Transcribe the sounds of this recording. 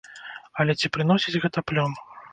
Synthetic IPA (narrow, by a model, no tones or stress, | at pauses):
ɐlʲɛt͡sʲipɾɨnɔsʲid͡zʲɣɛt̪ɐplʲɔm